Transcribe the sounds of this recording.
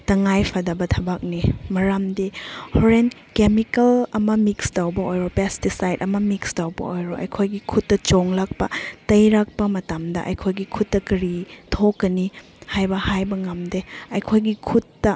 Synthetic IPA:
tɐŋajpʰɐdɐbɐtʰɐbak̚nimɐɾamdehoɾen | kemikɐlɐmɐmikstawbɐojɾopestisajdɐmɐmikstawbɐ̰ojɾoʔɐ̰jkʰojɡikʰutːɐt͡ʃoŋlak̚pɐtɐjɾak̚pɐmɐtamdɐ̰ʔɐ̰jkʰojɡikʰutːɐkɐɾitʰokːɐni | hajbɐhajbɐŋɐmdeɐjkʰojɡikʰutːɐ

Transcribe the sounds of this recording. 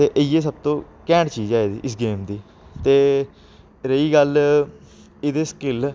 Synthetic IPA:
eːʔəieːsəb̚t̪õː | kɛ̃ːɳɖt͡ʃiːd͡ʒaːeːd̪ḭːʔɪsɡeːmd̪iː | t̪eː | ɾəiːɡəl | ɪd̪eːskɪl

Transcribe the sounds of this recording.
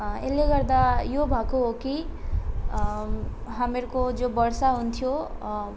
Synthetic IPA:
ḛlːeɡʌrd̪ajobʱakuɦoki | ɦameɾkod͡zobʌrsaɦunt̪ʰjo

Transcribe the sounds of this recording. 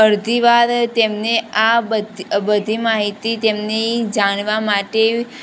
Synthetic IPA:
əɾd̪ʱiʋaɾt̪emneabədbəd̪ʱimaɦit̪it̪emned͡ʒaɽ̃ʋamaʈe

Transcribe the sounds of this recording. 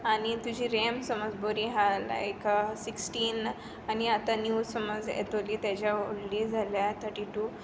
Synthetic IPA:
añit̪ud͡ʑʱiːɾemsəməd͡zboɾiɦala̰jksiksʈiːn | aniat̪anjuːsəməd͡zḛt̪oliːt̪jat͡ɕjaoɽlid͡zʱaljat̪ʰəɾʈiʈu

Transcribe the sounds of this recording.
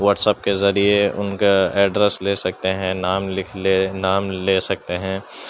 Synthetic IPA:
ʋɐɾʈsɛːp̚kezɐɾieʊ̰nkaɛːɖɾɛsleːsɐk̚t̪eɦɛ̃naːmlɪkʰlenaːmleːsɐk̚t̪eɦɛ̃ː

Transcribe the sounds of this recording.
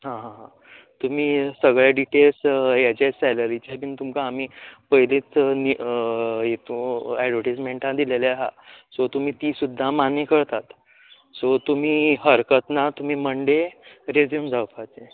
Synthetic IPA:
ɦãɦãɦã | t̪um̤iːsəɡɭjaɖiʈelsjat͡ɕasɛləɾit͡ɕapiːnt̪umkaːmiːpəɦileːt͡sn | jet̪ũɛɖʋəʈismeɳʈãd̪ileleɦa̰sot̪um̤iːt̪iːsud̪ʱːamanekəɾt̪at̪ | sot̪um̤iːɦəɾkət̪nat̪um̤iːməɳɖeɾed͡zjumd͡zawfat͡se

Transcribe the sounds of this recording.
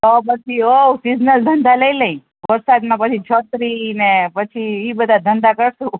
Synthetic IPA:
opət͡ʃʰiosid͡ʒnəld̪ʱənd̪aləiləĩ | ʋəɾsad̪mãpət͡ʃʰit͡ʃʰət̪ɾinepət͡ʃʰiibəd̪ʱad̪ʱənd̪akəɾsũ

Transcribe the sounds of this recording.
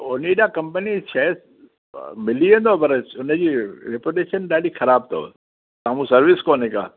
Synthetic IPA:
ʊniɗakɐ̃mpənit͡ʃʰɛːs | mɪliə̃nd̪opɐɾʊnəd͡ʑiːɾɪpoʈeːʃənɗaːɽixɐɾaːb̚t̪ʰo̰ː | saːmũsɐɾʋɪskoːneka̰ː

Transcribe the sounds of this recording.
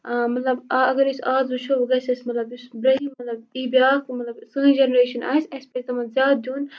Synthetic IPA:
mɐt̪lɐbaɐɡɐɾisaːzut͡ʃʰoʋɐɡɐsʲɐsmɐt̪lɐbisbɾɐɦimɐt̪lɐbiːbʲjaːkmɐt̪lɐbsɨːĩd͡ʒenɐɾeːʃɐnʔa̰ːsʲɐsʲpʲet̪ɐmɐnzʲaːd̪̚d̪ʲuːn

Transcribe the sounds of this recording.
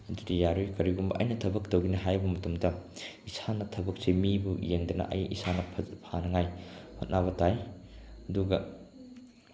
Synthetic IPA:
ɐdudijaɾujkɐɾiɡumbɐ̰ʔɐ̰jnɐtʰɐbɐk̚towɡinɐɦajbɐmɐtumdɐisanɐtʰɐbɐk̚semibujeŋdɐnɐ̰ʔɐ̰jḭsanɐpʰpʰanɐŋajhot̚nʔaβɐtajɐduɡɐ

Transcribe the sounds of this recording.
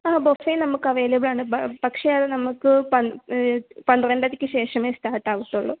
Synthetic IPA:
aːbofeːnɐmukːɐʋeːlɐbɨɭaːɳɨpɐkʂeðenɐmːukːɨpɐn | pɐnrenɖɐðikʲːɨɕe̞ːʂɐmeːsʈaːʈːaːʋuʈ̪ːuɭːṵ

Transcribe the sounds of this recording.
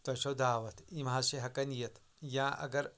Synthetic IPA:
t̪ɐʃod̪aːʋɐt̪ʰimɦãːʃeɦɐkɐnijɐt̪ | jãːʔɐ̰ɡɐɾ

